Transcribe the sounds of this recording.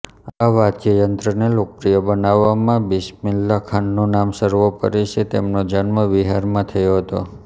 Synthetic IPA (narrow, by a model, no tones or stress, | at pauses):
aʋad̪kəjənt̪ɾənelok̚pɾijəbənaʋːamãbiʃmilːakʰanːonamsəɾʋopə̰ɾeʃʰet̪emnod͡ʒanməʋiɦaɾmãt̪ʰəjoɦət̪o